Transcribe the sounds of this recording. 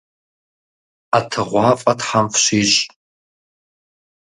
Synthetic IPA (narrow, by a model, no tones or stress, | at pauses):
atʰɨʁʷɑːfʼɐtħamfʃiːɕʼ